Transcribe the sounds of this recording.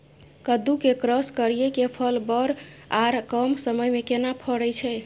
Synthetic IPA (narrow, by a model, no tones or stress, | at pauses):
kəd̪ukekɾəskəɾijekepʰəlbəɾaɾkəmsəməjmekenapʰəɽəjt͡ʃʰɛ